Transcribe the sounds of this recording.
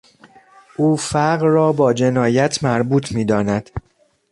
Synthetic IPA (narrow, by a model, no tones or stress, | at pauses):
ʔuːfæɢrɒːbɒːd͡ʒe̞nɒːjæt̪ʰmæɾbuːt̪ʰmiːd̪ɒːnæd̪̥